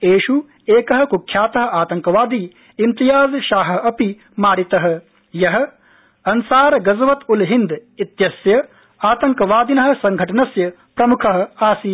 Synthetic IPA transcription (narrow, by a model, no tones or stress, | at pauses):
eːʃu | eːkɐɦɐ̆kukʰjaːt̪ɐɦɐ̆aːt̪ɐŋkɐʋaːd̪i | imt̪ijaːzɐʃaːɦɐ̆ɐpi | maːɾit̪ɐɦɐ̆ | jɐɦɐ̆ | ɐnsaːɾɐɡɐzɐʋɐt̪ulɦind̪it̪jɐsjɐ | aːt̪ɐŋkɐʋaːd̪inɐɦɐ̆sɐŋɡʱɐʈɐnɐsjɐ | pɾɐmukʰɐɦɐ̆aːsi